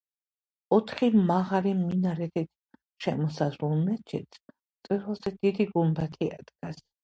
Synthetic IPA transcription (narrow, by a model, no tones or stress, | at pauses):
ɔt̪ʰχimaʁaliminaɾɛt̪ʰit̪ʰ | ʃɛ̰mɔsazɾulˠmɛt͡ʃʰɛ̰t̪ | t̪sʼiɾvɛlˠzɛd̪id̪iɡumbat̪ʰia̰d̪ɡas